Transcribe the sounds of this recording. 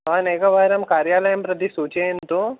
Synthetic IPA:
aːneːkɐʋaːɾɐmkaːɾjaːlɐjɐmpɾɐd̪isuːt͡ʃejɐnt̪oː

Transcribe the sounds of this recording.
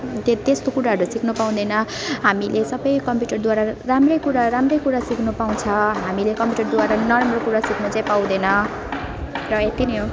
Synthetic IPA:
t̪et̪est̪okuɾaɦʌɾusikʰnupaw̃d̪enʌɦamilesʌbʌjkʌmpjuʈʌrd̪waɾaramrʌjkuɾaɾamrʌjkuɾasiknupaw̃t͡sʰʌɦamilekʌmpjuʈʌrd̪waɾanʌramrokuɾasiknut͡saĩpaw̃d̪enʌ | rʌet̪inijo

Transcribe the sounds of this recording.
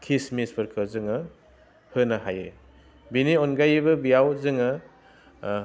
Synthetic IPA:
kʰismispʰɯɾkʰɯzɯŋɐ | hɯnaɦajɯ̰ | binionɡajibɐbijawzɯŋɐ

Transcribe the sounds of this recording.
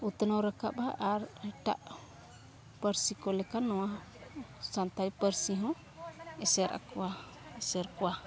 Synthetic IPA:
ut̪nɔwɾakapaʔaɾɛʈa̰ʔ | pəɾsikɔlɛkanːɔwa | sant̪apəɾsiɦɔ̃ | ɛsɛɾʔa̰kɔwa | ɛsɛɾkɔwa

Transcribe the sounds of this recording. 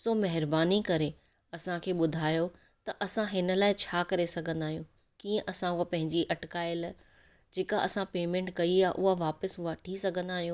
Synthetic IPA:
soːmɐɦɪɾbaːnikɐɾe | ɐsãkʰeːɓʊd̪ʱaːjo | t̪ɐʔɐsãɦɪnə̆laːɪt͡ɕʰaːkɐɾesɐɡʱə̃nd̪aːɦijũ | kiːə̃ʔɐsãʊapɐ̃ɦɪ̃ɲd͡ʑiʔɐʈkaːɪl | d͡ʑeːkaʔɐsãpeːmẽɳʈkɐiaːʔʊɦaʋaːpəsɦʊaʈʰisɐɡʱə̃nd̪aːɦijũ

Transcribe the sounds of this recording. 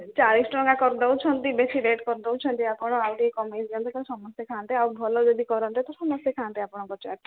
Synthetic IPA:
t͡ʃaɾisʈɾɔŋɡakɔɾd̪ɔwt͡ʃʰɔnt̪ibesiɖeʈkɔɾd̪ɔwt͡ʃʰɔnt̪iapɔɽ̃ɔawʈikɔmed͡ʒɡɔnt̪ɔkasɔmɔst̪ekʰãnt̪eawbʱɔlɔd͡ʒɔd̪ikɔɾɔnt̪at̪ɔsɔmɔst̪ekʰãnt̪iapɔɽ̃ɔŋkɔt͡ʃaʈʰ

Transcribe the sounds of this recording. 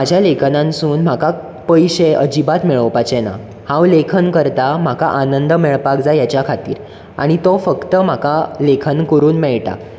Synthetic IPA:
mad͡ʑʱjalekʰənãnsuːnm̤aka | pəjɕeʔəd͡ʑibat̪mɛɭəʋpat͡ɕɛna̰ | hãwlekʰənkəɾt̪am̤aka̰ʔanənd̪əmɛɭpakd͡zajat͡ɕjakʰat̪ḭːɾ | a̰ɽ̃it̪ɔfəkt̪əm̤akalekʰənkəɾuːnmɛɭʈa̰

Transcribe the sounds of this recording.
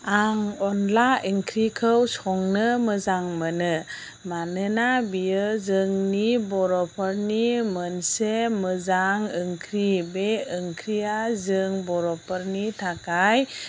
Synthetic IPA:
aŋɔnlaʔiŋkʰɾikʰəwsɔŋnɯməzaŋmənɯ | manɯnabijəzɯŋnibɔɾɔpʰəɾnimənseməzaŋɯŋkʰɾibeɯŋkʰɾiazɯŋbɔɾɔpʰəɾnitʰakaj

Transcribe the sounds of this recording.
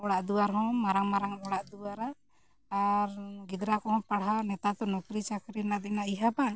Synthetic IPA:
ɔɽaʔd̪uwaɾɦɔ̃maɾaŋmaɾaŋɔɽaʔd̪uwaɾaː | ɾɡid̪ɾakɔɦɔ̃paɽɦanɛt̪at̪ɔnɔkɾit͡ʃakɾinad̪ɛnaiɦaban

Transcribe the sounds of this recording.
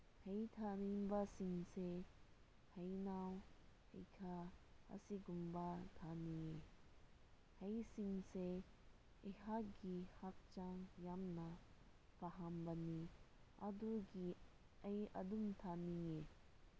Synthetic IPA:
hɐit̪ʰanimbasiŋse | hɐjnaw | ḛkʰaɐ̰siɡumbat̪ʰanije | hɐisiŋɡse | eɦaɡihɐk̚t͡ʃaŋjamna | pɐɦambɐniɐ̰d̪uɡi | ɐjɐ̰d̪umt̪ʰanije

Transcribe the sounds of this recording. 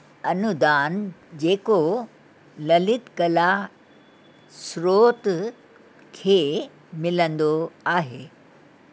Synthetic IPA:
ɐnʊd̪aːnd͡ʑeːko | lɐlɪt̪kɐla | sɾoːt̪ | kʰeː | mɪlə̃nd̪oaːɦeː

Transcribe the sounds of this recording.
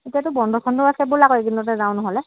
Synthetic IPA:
etiatʊbɔndʱɔsʰɔndɔasɛbʊɹlakɔeɡinːɔtɛzaw̃nɔɦɔlɛ

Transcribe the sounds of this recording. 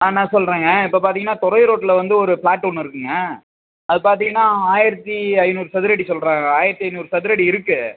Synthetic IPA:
anãːsɔlːɾeːŋɡɐɪpːɐːp̬aːɾt̪iŋɡɐnːaːt̪ɔɾɐɪɾoːʈːɪlɐʋɐnd̪ɯɔɾɯpɭaːʈːɔːnːɪɾɯkːɯŋɡɐ | ɐðɯpaːɾt̪iŋɡɐnːaːaːjɪɾɐt̪ːiɐɪnuːɾsɐðɪɾɐɽisɔlɾaːŋɐaːjɪɾɐt̪ːiɐɪnuːɾsɐðɪɾɐɽiɪɾɯkːɯ

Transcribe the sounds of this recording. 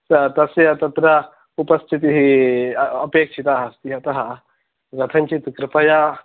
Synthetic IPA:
sət̪ɐseat̪ɐt̪ɾa | upɐst̪ʰit̪iɦi | əpekʂʰit̪aɦast̪iɦat̪ɐɦa | ɡɐt̪ʰãɲt͡ʃit̪kɾɪpaja

